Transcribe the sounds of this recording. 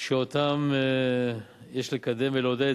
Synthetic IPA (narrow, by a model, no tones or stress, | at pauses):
ʃeot̪am | jeʃlekad̪emvelod̪e